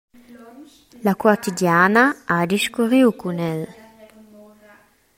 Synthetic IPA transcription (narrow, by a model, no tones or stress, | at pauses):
lakwat̪idjanaad̪iʃkuɾiwkunɛl